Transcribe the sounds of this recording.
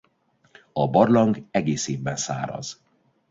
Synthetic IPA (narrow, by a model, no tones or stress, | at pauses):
ɒbɒrlɒŋɡɛɡeːseːbːɛnsa̰ːɾɒ̰z̥